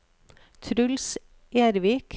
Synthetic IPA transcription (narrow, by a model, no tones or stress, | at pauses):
t̪ʰɾʉls | ʔeːɾʋiːkʰ